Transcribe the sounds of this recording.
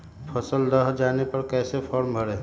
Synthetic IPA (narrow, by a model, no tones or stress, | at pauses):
pʰəsəld̪əɦd͡ʒaːnepɐɾkɛːsepʰɔːɾmbʱəɽeː